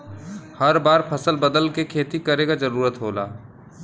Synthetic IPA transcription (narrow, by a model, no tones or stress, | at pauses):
hɐɾbaːɾpʰɐsəlbəd̪əlkekʰeːt̪ikɐɾeːɡad͡ʒɐɾuːɾət̪ɦoːla̰ː